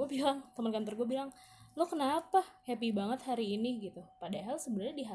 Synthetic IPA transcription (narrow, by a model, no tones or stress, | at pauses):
uabilaŋt̪əmənkant̪ɔrɡuabilaŋ | lokənapahɛpibaŋət̪haɾiːniɡit̪upadaɦalsəbənərɲadiɦa